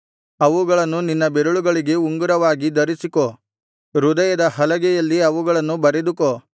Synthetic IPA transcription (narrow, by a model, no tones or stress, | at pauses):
ɐʋuɡɐɭɐnːuninːɐbeɾuɭuɡɐɭiɡe̞uŋɡuɾɐʋaːɡid̪ɐɾisiko | ɾud̪ɐjɐd̪ɐɦɐlɐɡɛjɐlːiɐʋuɡɐɭɐnːubɐɾed̪uko